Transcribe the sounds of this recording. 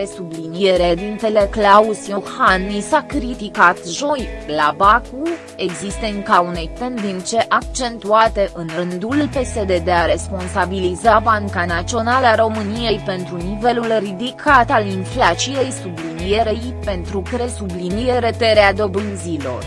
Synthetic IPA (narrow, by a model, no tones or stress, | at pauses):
esublinijeɾed̪infele̞klausijohanːisakɾit̪ikat̪ʒo̞jlabaku | e̞ɡzist̪enkaune̞jt̪e̞nd̪int̪se̞ʔak̚t͡ʃe̞nt̪uat̪e̞ʔɨnɾɨnd̪ullpe̞se̞d̪e̞d̪e̞aɾe̞spo̞nsabilizabaŋkanat̪t͡ʃio̞nalaɾo̞mɨnije̞jpe̞nt̪ɾunive̞lulrid̪ikʰat̪alinflat͡ʃije̞jsublinije̞ɾe̞j | pe̞nt̪ɾukɾe̞sublinije̞ɾe̞t̪e̞ɾead̪o̞bɨnzilo̞̰r